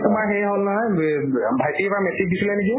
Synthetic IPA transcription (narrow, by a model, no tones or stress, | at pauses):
tʊmaɹɦejɦolnaɦɔjbʱajtipɹamɛsik̚disilɛniki